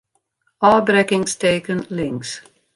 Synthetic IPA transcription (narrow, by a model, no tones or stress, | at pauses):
ɑbɹɛkɪ̃ŋz̥tʰeɪkə̃nlɪ̃ŋks